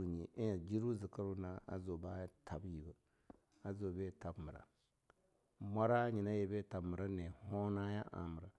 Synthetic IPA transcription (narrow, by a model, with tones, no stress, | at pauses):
u˨ɲi˨ʔe˦ja˨d͡ʒi˦ɾu˦zɨ˨ka˦ɾu˦na˨˦a̰˨zo˨ba˦ja˦tʰa˨bji˨bə˨ | a˨zo˨be˦ta˨bmə˨ɾa̰˨ | ma˦ɾa˦ɲi˨na˦je˨be˦˨ta˨bmə˨ɾa˦ne˨ho˦na˦ja̰˦ʔa̰˨mə˨ɾa˨